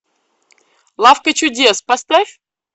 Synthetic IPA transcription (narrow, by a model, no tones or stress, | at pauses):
lˠafkət͡ɕudʲespast̪afʲ